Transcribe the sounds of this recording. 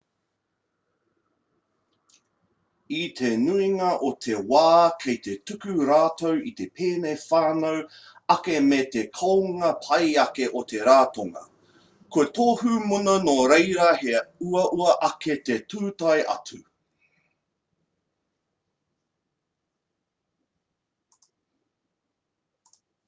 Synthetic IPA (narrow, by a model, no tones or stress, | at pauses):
it̪ʰenuiŋɐʔot̪ʰewaːkʰejt̪e̞tukʉɾaːtowit̪e̞pʰeːnejfaːnow | ɐkemeːt̪ekʰɐwŋɐpʰɐjɐkeʔot̪ʰe̞ɾaːtoŋɐ̰ | koɐtoːɦumunonoɾejɾɐheuɐʔuɐʔɐket̪etʰuːtɐjʔɐ̰tu